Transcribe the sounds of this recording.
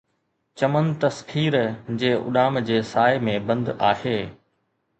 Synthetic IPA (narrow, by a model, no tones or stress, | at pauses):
t͡ɕɐmənt̪ɐskʰiːɾd͡ʑeːʊ̰ɗaːmd͡ʑeːsaːɪmẽbɐ̃nd̪aːɦeː